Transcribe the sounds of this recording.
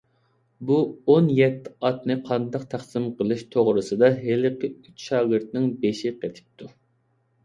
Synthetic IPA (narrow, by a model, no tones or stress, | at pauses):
buonjɛt̪ʰːɪɑt̪nɨqʰɑnd̪ɑq̚t̪ʰæχsɨmqəlˠɨʃt̪ʰoʁɾɨsɨd̪ɑɦelɪqɪyt͡ʃʃɑːɡɪɾt̪̚nɪŋbeʃɪqet̪ʰɪ̥p̚t̪ʰu